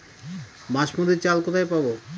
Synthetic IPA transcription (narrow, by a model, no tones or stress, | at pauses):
maʃmod̪et͡ɕalkɔt̪ʰajpabo